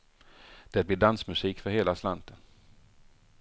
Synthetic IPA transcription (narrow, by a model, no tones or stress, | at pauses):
d̪̥ɛt̪̚blɪɖansmɵsiːkfœɾheːlaslant̪ən